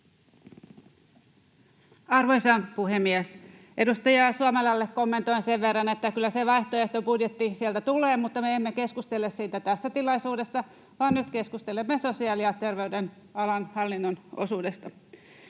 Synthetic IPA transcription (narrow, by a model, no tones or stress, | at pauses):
ɑrʋojsɑnpuɦemːiɛs | ʔe̞dust̪ɑjɑsuɑmelɑlːekːo̞mːe̞nt̪o̞jnseʋʋe̞rːɑne̞t̪ːækylːæseʋɑjht̪oeht̪o̞budjet̪ːisielt̪æt̪uleːmut̪ːɑmeemːeke̞skust̪elːessiːt̪æt̪æsːæt̪ilɑjsuːde̞sːɑ | ʋɑːnnyt̪ke̞skust̪elemːeso̞siɑːliɑt̪e̞rʋe̞yden | ɑlɑnhɑlːinːono̰suːdest̪ɑ